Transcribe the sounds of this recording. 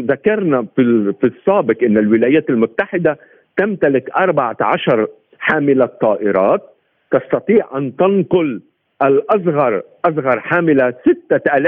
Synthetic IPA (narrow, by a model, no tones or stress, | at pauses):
ðakɑɾˤnafifisˤːaːbɪqʔɪnːalwɪlaːjaːt̪almʊt̪ːaħɪd̪a | t̪amt̪alɪkʔɑɾˤbaʕaʕaʃɑɾˤ | ħaːmɪlat̪ˤːɑːʔɪɾˤɑːt̪̚ː | ɑst̪ɑt̪ˤiːʕʔant̪ɪnqʊl | ʔalʔɑs̬ɣɑɾˤʔɑsɣɑɾˤħaːmɪlasɪt̪ːaʔalaː